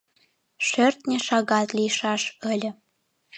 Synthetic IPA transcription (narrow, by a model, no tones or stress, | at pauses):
ʃørt̪nʲĕʃɑɣɑt̪lijʃɑʃəlʲə̆